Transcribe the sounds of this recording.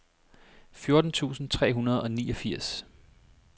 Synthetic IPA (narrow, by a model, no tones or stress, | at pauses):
fjo̝ɐd̥n̩t͡sʰṵːsn̩t͡sʰʁɛ̰ːɦunɐð̞ˠɒ̽niːɒ̽fiɐ̰s